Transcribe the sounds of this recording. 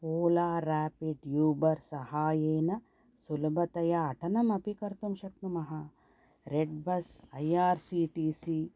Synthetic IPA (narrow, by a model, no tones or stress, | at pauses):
poːlaːɾaːpiɖjuːbɐɾsɐhaːjeːnɐ | sulɐbʱɐt̪ɐjɐːʈʰɐnɐmɐpikɐɾt̪umʃɐk̪̚numɐɦɐ | ɾeɖbɐsɐjaːɾsiːʈiːsi